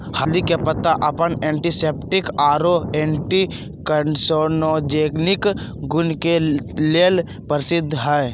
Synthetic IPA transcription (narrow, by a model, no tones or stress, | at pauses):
həd̪ikepət̪aʔəpənẽːɳʈiseːpʈɪkaːɾoẽːɳʈi | kənsonod͡ʒeːɡnɪkɡʊnkeleːl | pəɾɪsɪd̪ʱːɦɛː